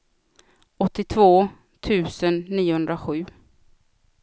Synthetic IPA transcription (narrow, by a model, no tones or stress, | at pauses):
ɔt̪ːɪt̪ʰvoː | t̪ʰʉ̟ːsənːiːʊhɵnd̪ɾaɧʉ̟ː